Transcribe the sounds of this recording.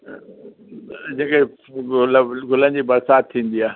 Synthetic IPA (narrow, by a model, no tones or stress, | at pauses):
d͡ʑɐ̃ɪ̃ke | lɡʊlə̃nd͡ʑiːbɐɾsaːt̪̚t̪ʰːĩːn̆d̪iaː